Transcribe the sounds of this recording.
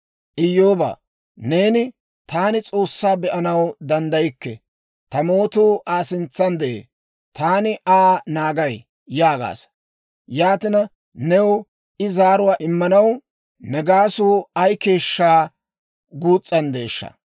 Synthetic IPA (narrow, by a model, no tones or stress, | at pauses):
ʔɪjːoːba̰ː | ne̞ːnɪ | t̪aːnɪt͡sʼo̞ːsːaːbɛʔɐnɐwd̪ɐnd̪ɐjɪkːɛ | t̪ɐmo̞ːt̪uːʔaːsɪnt͡sːɐnd̪ɛʔḛː | t̪aːnɪʔaːnaːɡɐj | jaːɡa̰ːs | jaːt̪ɪnɐ | nɛwʊ | ʔɪzaːɾʊwaːʔɪmːɐnɐw | nɛɡaːsuːɐjke̞ːʃːaː | ɡuːt͡sʼːɐnd̪e̞ːʃːɐ̰